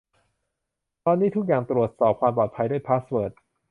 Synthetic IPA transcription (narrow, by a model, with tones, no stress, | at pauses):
t̪ɔː˧nːiː˦˥t̪ʰk̚jaː˨˩ŋt̪ɾu˨˩ət̪̚sɔː˨˩p̚kʰwaː˧mpɔː˨˩t̪̚pʰa˧jduː˥˩əjpʰaː˦˥swɤː˨˩t̪̚